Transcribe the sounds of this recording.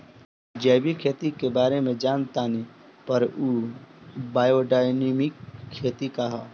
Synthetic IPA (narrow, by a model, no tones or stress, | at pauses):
d͡ʒɛːbʱikʰeːt̪ikebaːɾemẽd͡ʒaːnt̪ani | pəɾuː | baːjoɖaːjneːmɪkʰːeːt̪ikaɦaː